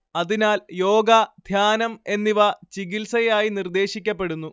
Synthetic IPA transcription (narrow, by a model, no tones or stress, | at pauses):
ɐðinaːljo̞ːɡɐd̪ʱjaːnɐme̞nːiʋɐt͡ɕiɡilsɐjaːjinird̪e̞ːɕikʲːɐpːe̞ɽunːu